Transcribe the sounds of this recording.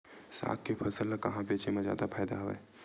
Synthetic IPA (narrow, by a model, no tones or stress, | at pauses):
sa̰ːkkepʰɐsəlːəkɐɦãbeːt͡ʃemezja̰ːd̪apʰaːjd̪aɦoḛː